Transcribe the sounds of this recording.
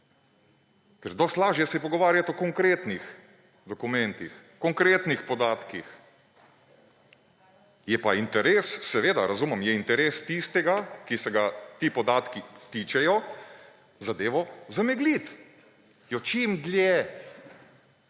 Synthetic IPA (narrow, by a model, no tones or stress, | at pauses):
kɛɾd̪ɔst̪laːʒjɛsipɔɡɔʋaːɾjat̪ɔkɔŋkɾeːt̪nix | d̪ɔkumɛ̃nt̪ixkɔŋkɾeːt̪nixpɔd̪aːt̪kix | jɛpaint̪ɛɾeːssɛʋeːd̪aɾazuːmɐmjɛint̪ɛɾeːst̪ist̪ɛɡakisɛɡat̪iːpɔd̪aːt̪kit̪it͡ʃɛjɔ | zad̪eːʋɔzamɛɡlit̪ | jɔt͡ʃimd̪lʲjɛ